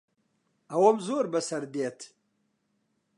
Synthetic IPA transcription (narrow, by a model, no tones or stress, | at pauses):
ɐwɐmzoːɾbɐsɐɾd̪eːt̪ʰ